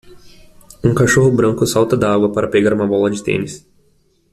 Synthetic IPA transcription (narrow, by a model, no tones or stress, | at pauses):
ũkaʃoɦʊbɾɐ̃ŋkʊsawt̪ɐd̪aaɡwɐpaɾɐpeɡaɾũmɐbɔlɐd͡ʒɪt̪ḛ̃nɪs